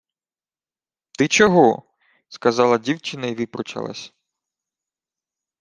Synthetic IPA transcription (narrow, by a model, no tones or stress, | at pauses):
t̪ɪt͡ʃɔɦɔ | skɐzɑlˠɐdʲiwt͡ʃɪnɐiʋipɾɔt͡ʃɐ̰lˠɐ̰sʲ